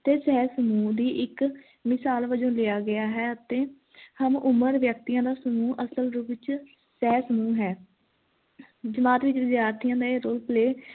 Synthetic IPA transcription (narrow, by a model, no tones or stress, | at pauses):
t̪eːsɛːsəmuːd̪iːʔɪk | mɪsaːlʋəd͡ʒõːlɪjaːɡɪjaːɦɛːət̪eː | həmʊməɾʋjək̚t̪ijãːd̪aːsəmuːʔəsəlɾubɪt͡ʃ | sɛːsəmuːɦɛː | d͡ʒəmaːt̪ʋɪt͡ʃʋɪzjaːɾt̪ʰijãːd̪aːeɾoːlpleː